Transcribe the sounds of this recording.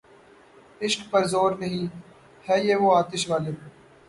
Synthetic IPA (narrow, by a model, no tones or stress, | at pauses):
ɪʃkpɐɾzoːɾnɐɦĩː | hɛːjeːʋoːaːt̪ɪʃʋaːleː